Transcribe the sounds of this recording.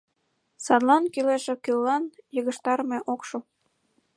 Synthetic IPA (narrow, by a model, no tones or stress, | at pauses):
sɑd̪lɑnkyleʃĕkylːɑnjəɣə̆ʃt̪ɑɾmeʔokʃo